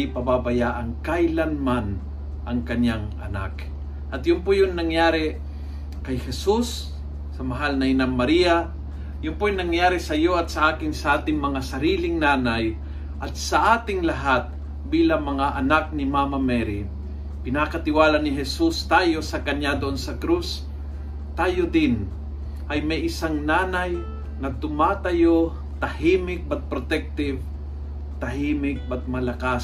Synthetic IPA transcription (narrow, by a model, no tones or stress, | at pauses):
ɪpɐbabajaːʔɐŋkajlanman | ʔɐŋkɐɲjaŋʔɐ̰na̰k | ʔɐt̪jʊnpojʊnnɐŋjaːɾɪ | kɐjhɛsusː | ɐmɐɦalnɐɪnamːɐɾija | jʊnpojʊnɐŋjaːɾɪsɐjoɐt̪̚sɐʔaːkɪŋsɐʔaːt̪ɪŋmɐŋasɐɾiːlɪŋnaːnaj | ʔɐt̪̚sɐʔaːt̪ɪŋlɐɦat̪̚ | biːlɐŋmɐŋaʔɐnak̚nɪmaːmɐmɛɾi | pɪnakɐt̪ɪwaːlanɪɦɛsust̪aːjo̞sɐkɐɲad̪oʔonsɐkɾus | t̪aːjod̪ɪn | ʔɐjmɐjʔɪsaŋnaːnɐj | nɐt̪ʊmaːt̪ɐjo | t̪ɐhiːmɪk̚bɐt̪̚pɾot̪ɛk̚t̪ɪv | t̪ɐɦiːmɪk̚bɐt̪̚mɐlɐkas